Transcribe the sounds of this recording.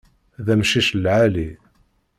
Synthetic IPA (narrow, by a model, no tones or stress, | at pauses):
ðæmʃiʃlʕali